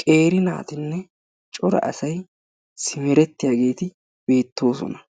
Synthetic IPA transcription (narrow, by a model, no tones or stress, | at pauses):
kʼe̞ːɾɪna̰ːt̪ɪnːɛ | t͡ʃʼɔɾɐ̰ʔɐsɐj | sɪmɛɾɛt̪ːɪjaːɡe̞ːt̪ɪ | b̥e̞ːt̪ːo̞ːsɔ̰nɐ